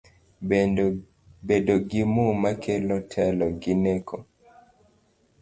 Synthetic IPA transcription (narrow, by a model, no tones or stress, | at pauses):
bedɔɡimumakʰɛlɔtʰɛlɔɡinɛkʰɔ